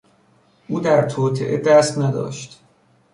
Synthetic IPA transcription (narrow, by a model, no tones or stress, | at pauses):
ʔuːd̪æɾt̪ʰoːt̪ʰḛʔed̪æst̪næd̪ɒ̰ːʃt̪